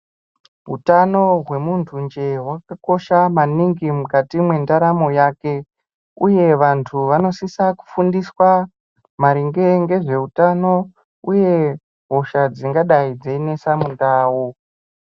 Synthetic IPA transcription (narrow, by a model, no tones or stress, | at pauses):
ɦṵtano̞ɦwe̞muntʰund͡ʒe̞ɦwakako̞ʃamaniŋɡimukatimwe̞ndaɾamo̞jaːke̞ | uje̞ʋantʰuʋano̞sisaku̥fundiswa | maɾiŋɡe̞ŋɡe̞ʐe̞utano̞ | uje̞ | ɦoʃad͡ziŋɡaɗaid͡zeine̞samundaːwo